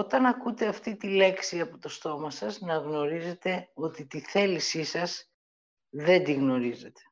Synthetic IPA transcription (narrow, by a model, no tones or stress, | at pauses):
o̞t̪ɐnɐkut̪e̞ɐft̪it̪ile̞ksiɐpot̪o̞st̪o̞mɐsɐznɐɣno̞ɾize̞t̪e̞o̞t̪it̪iθe̞lisisɐs | ðe̞nd̪iɣno̞ɾize̞t̪e̥